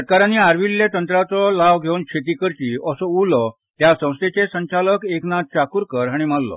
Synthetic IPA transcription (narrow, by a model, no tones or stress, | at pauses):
əʈ̪̚kaɾanːiaɾʋilːjet̪ənt̪ɾat͡sɔlaʋɡʱeunkɕʰet̪̬ikəɾt͡ɕiːəsɔulɔ | t̪jasə̃w̃st̪ʰet͡sesə̃ɲt͡ɕaləkeknat̪̚t͡ɕakuːɾkəɾaɽ̃imallɔ̰